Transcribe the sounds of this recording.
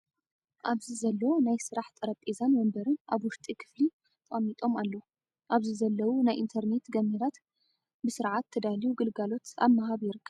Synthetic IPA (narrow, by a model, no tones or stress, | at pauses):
ʔaβzizɐlːɐwnajsɨɾaħt̪ʼɐɾɐpʼezanmɐmbɐɾɨnʔaβwʊʃt̪ʼikʰɨ̥fli | t̪ʼɐmːit̪ʼo̞malːo | ʔaβzizɐlːɐwunajʔint̪ʰɐɾne̞t̪ɡɐmiɾat̪ | bɨsɨɾʕat̪ʰːɨd̪alijuɡɨlɡalo̞t̪a̰βmːahaβjɪɾɨkʰːɐβ